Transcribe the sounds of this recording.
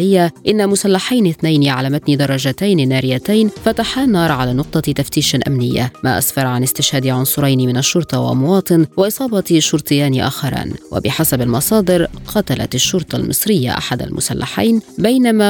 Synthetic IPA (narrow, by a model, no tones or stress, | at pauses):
ɪjːaʔɪnːamʊsalːaħajnɪθnajniʔaʕaʕlamat̪niːd̪ɑrˤːɑd͡ʒat̪ajnnːaːɾɪjat̪ajnfat̪aħanːɑːɾˤʕalaːnʊq̚t̪ˤɑt̪aft̪iːʃaʔa̰mnɪjːa̰ma̰ːʔa̰sfɑɾˤʕanɪst̪ɪʃhaːd̪ɪʕʊnsˤʊɾˤɑjnimɪnaʃːʊɾˤt̪ˤɑwa̰lʔamwɑːt̪ˤɨnwɑʔɨsˤɑːbɑt̪ʃʊɾt̪ˤɨjːaːniʔa̰ːxɑɾˤa̰ːnwa̰bɪħasabalmɑsˤɑːd̪ɨɾqɑt̪ala̰t̪aʃːʊɾt̪ˤɑlmɨ̰sˤɾɪjːa̰ʔa̰ħad̪a̰lmʊ̰salːa̰ħa̰jnbajnama